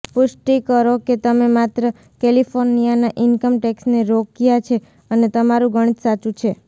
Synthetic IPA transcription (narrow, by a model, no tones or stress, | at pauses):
pʊʃʈikəɾoket̪əmemat̪ɾə | kelifʰoɾnijanaʔɪnkəmʈeksneɾokijat͡ʃʰe | ənet̪əmaɾũɡəɽ̃it̪sat͡ʃũt͡ʃʰe